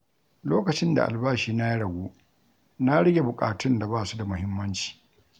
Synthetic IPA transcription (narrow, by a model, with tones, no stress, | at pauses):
loː˦kɐ˨t͡ʃɪ˦nda̰˨ʔa̰˨lbaː˦ʃiː˨na˦ji˦ɽɐ˨ɡʷoː˦ | na˦ɽɪ˦ɡʲe˨bʊ˨kʼaː˨tʊ˦nda˨baː˦˨su˦da˨mʊ˦hɪ˦mːɐ˦nt͡ʃi̥ː˨